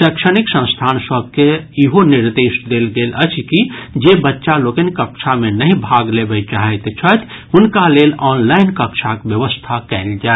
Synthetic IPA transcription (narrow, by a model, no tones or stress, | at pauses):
ʃəkʃəniksə̃st̪ʰaːnsəb̚kejiɦoniɾd̪eːʃd̪eːlɡeːlət͡ʃʰkid͡ʒebətːʃalokənkəkʃʰamenəɦĩbʱaɡlebəit͡ʃaɦɛt̪t͡ʃʰət̪ʰ | ɦʊnkaleːlɔːnlaɪnkəkʃʰakbjəʋəst̪ʰakɛɪld͡ʒae